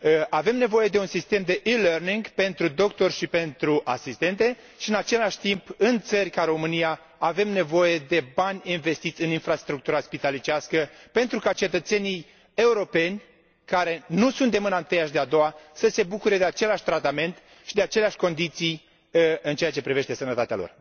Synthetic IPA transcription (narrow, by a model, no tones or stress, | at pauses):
ave̞mne̞vo̞je̞d̪e̞unsist̪emd̪e̞ʔilerniŋɡpe̞nt̪ɾud̪o̞kt̪o̞rʲʃipe̞nt̪ɾuʔasist̪e̞nt̪e̞ | ʃiɨnat͡ʃe̞laʃʲt̪impɨnt̪sərʲkaɾo̞mɨnijaː | ve̞mne̞vo̞je̞d̪e̞banʲinve̞st̪it̪sʲɨninfɾast̪ɾuk̚t̪uɾaspit̪alit͡ʃaskəpe̞nt̪ɾukat͡ʃe̞t̪ət̪se̞nʲij | e̞uɾo̞pe̞nʲ | kaɾe̞nusunt̪emɨnant̪ejaʃ̬d̪ead̪o̞wasəse̞bukuɾe̞d̪eat͡ʃe̞leaʃʲt̪ɾat̪ame̞nt̪ | ʃid̪e̞at͡ʃe̞leaʃʲko̞nd̪it̪sij | ɨnt͡ʃe̞at͡ʃe̞pɾive̞ʃt̪e̞sənət̪at̪ea̰lo̰r